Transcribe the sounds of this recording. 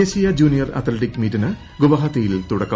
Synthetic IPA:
eːɕijɐd͡ʑuːnijɐrɐ̰t̪ʰleʈikmiːʈinɨ | ɡuʋɐɦɐt̪ːijilt̪uɽɐkːɐ

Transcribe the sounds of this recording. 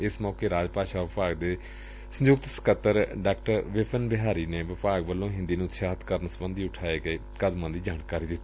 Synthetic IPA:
ɪsmɔːkeːɾaːd͡ʒpaːʃaːʋɪpaːɡd̪eː | sə̃ɲd͡ʒʊk̚t̪sə̥kət̪ːəɾɖaːkʈəɾʋɪpʰənbɪɦaːɾiːneːʋəpaːɡʋəlːõːɦɪ̃nd̪iːnũːt̪ʃaːɦt̪kəɾnsəbənd̪iːʊʈʰaːeːɡəeː | kəd̪mãːd̪iːd͡ʒaːɳkaːɾiːd̪ɪt̪ː

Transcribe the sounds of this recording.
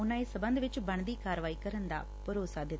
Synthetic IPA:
ʊnãːisəbə̃nd̪ʋɪt͡ʃbəɳ̃d̪iːkaːɾʋaːiːkəɾənd̪a̰ː | pəɾoːsad̪ɪt̪ː

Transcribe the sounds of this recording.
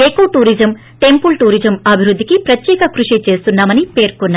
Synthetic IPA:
eːkoːʈuːɾid͡ʒɐm | ʈe̞mpulʈuːɾid͡ʒɐmɐbʱiɾud̪ʱːikipɾɐt̪jɛːkɐkɾuʂit͡ʃe̞ːst̪unːaːmɐnipe̞ːɾkunːaː

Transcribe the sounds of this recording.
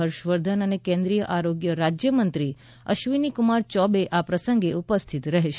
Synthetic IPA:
əɾʃʋəɾd̪ʱənənekẽnd̪ɾijəʔaɾoɡjəɾad͡ʒjəmənt̪ɾi | ə̰ʃʋinikumaɾt͡ʃɔbeʔapɾəsə̃ŋɡeupəst̪ʰit̪ɾəɦeʃe

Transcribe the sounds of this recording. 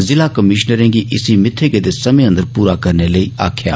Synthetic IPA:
zɪlaːkəmɪʃnəɾɛ̃ːɡiʔɪsimɪt̪ʰːeɡed̪esɐmẽə̃nd̪əɾpuːɾakɐɾneləiːa̰ːkʰja̰ː

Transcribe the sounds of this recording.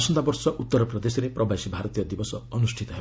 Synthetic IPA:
sɔnd̪abɔɾsɔʔut̪ːɔɾɔpɾɔd̪esɔɾepɾɔbasibʱaɾɔt̪ijɔd̪ibɔsɔɔnusʈʰit̪ɔɦeb

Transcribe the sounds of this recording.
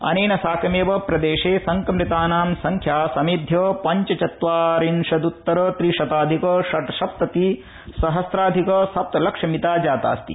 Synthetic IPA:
ɐ̰neːnɐsaːkʰɐmeːʋɐpɾɐd̪eːʂeːsɐŋkɐmɾit̪aːnaːmsɐŋkʰjaːsɐmid̪ʱjoːpɐɲt͡ʃɐt͡ʃɐt̪ʋaːɾinʂɐd̪ut̪ːɐɾoːt̪ɾiʃɐt̪aːd̪ʱikoːʃɐt̪ɐʃɐp̚t̪ɐt̪i | sɐɦɐsɾaːd̪ʱikoːsɐp̚t̪ɐlɐkʂɐmit̪aːd͡ʒaːt̪a̰ːst̪ḭ

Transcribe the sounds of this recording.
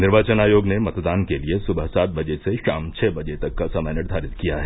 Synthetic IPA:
nɪɾʋaːt͡ʃənaːjoːɡnemɐt̪d̪aːnkeliesʊbəɦsaːt̪̚bɐd͡ʒeseʃaːmt͡ʃʰɛbɐd͡ʒet̪ɐkːasɐmɛnəʈd̪ʱaːɾɪt̪kijaɦɛː

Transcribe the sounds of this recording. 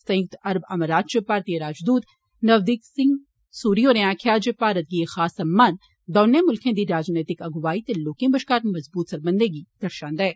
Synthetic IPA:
sɐ̃jukt̪ɐɾbɐməɾaːt͡ʃəpaːɾt̪ijeɾaːd͡ʒd̪uːt̪ | nɐʋd̪iːksɪ̃ŋɡ | suːɾijoːneãːkʰjaːd͡ʒepaːɾət̪̚ɡiexaːsɐmːaːn | d̪ɔːnemʊlkʰẽd̪iɾaːd͡ʒneːt̪ɪkɐɡʋaːit̪elːoːkɪ̃bɐʃkaːɾmɐzbuːt̪sɐɾbə̃nd̪ẽɡid̪̥ɐɾʃaːnd̪ɛː

